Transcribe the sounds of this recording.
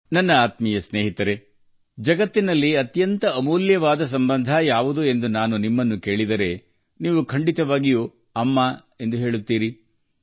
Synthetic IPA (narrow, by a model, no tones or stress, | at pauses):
nɐnːɐaːt̪mijɐsne̞ːɦit̪ɐɾe̞ | d͡ʒɐɡɐt̪ːinɐlːiɐt̪jɐnt̪ɐːmuːljɐʋaːd̪ɐs̬ɐmbɐnd̪ʱajaːʋud̪ue̞nd̪unaːnunimːɐnːuke̞ːɭid̪ɐɾe̞ | niːʋukʰɐɳɖit̪ɐʋaːɡijuː | ɐmːaː | e̞nd̪uɦe̞ːɭut̪ːiːɾi